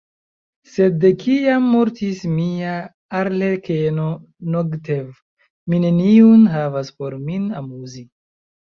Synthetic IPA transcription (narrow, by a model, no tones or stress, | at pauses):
se̞dekʰiamːoɾtismia | aɾlekʰeno̞ | noɡtev | mine̞niunɦavaspo̞ɾminamuzi